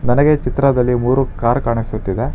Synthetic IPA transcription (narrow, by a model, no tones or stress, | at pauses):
nɐnɐɡet͡ʃit̪ɾɐd̪ɐlːimuːɾukaːɾkaːɳisut̪ːid̪e̞